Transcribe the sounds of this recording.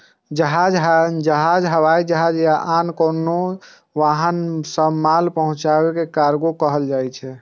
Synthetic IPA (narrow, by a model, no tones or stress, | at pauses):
d͡ʒəɦad͡ʒɦd͡ʒəɦad͡ʒɦəβajd͡ʒəɦad͡ʒjaʔankono | ʋaɦənsəmalpəɦũt͡ʃabekekaɾɡokəɦəld͡ʒajt͡ʃʰɛ